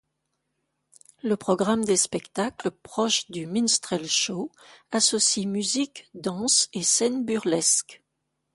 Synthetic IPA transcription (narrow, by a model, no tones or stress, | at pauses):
ləpχɔɡʁamd̪espɛkt̪aklpχɔʃd̪yminst̪χɛlʃoasɔsimyzikd̪ɑ̃sesɛnbyʁlɛsk